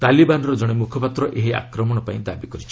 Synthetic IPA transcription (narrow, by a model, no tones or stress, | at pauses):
t̪alibanɔɾɔd͡ʒɔɽ̃emukʰɔpat̪ɾɔʔeɦia̰kɾɔmɔɽ̃ɔpãĩd̪abikɔɾit͡ʃʰi̥